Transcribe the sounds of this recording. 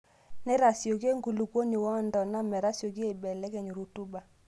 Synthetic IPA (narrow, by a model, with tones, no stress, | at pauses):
nɛ˦ɾa˨sjo˨ke˦ŋɡu˨lu˨kwo˦ni˨wɔ˦˨ndɔ˨na˦mɛ˨ɾa˦sjo˨ki˦e˦˨bɛ˨lɛ˦kɛ˨ɲo˨ɾu˨tu˦ba˨